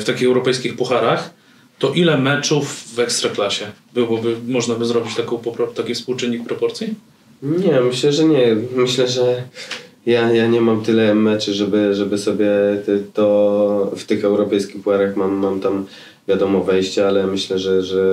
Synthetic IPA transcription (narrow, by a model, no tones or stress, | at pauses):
ft̪akʲixɛwɾɔpɛjskʲixpuxaɾax | t̪ɔʔilɛmɛt͡ʂuvːɛkst̪ɾaklaɕɛbɘwɔbɘmɔʐnabɘzɾɔbʲit͡ɕt̪akɔ̃w̃pɔpɾɔt̪akʲifspuwt͡ʂɘnʲːik̚pɾɔpɔɾt̪sʲi | ɲɛmɘɕlɛʐɛɲɛmɘɕlɛʐɛ | jajaɲɛmamt̪ɘlɛmɛt͡ʂuʐɛbɘʐɛbɘsɔbʲjɛtt̪ɔft̪ɘxɛwɾɔpɛjskʲixpuxaɾaxmamːamt̪am | vʲjad̪ɔmɔbɛjɕt͡ɕɛalɛmɘɕlɛʐɛʐɛ